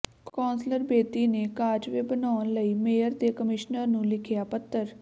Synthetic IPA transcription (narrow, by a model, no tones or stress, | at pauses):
kɔːnsləɾbeːt̪iːneːkaːd͡ʒʋeːbənaːənləiːmeːjəɾd̪eːkəmɪʃnəɾnũːlɪkʰɪjaːpət̪ːəɾ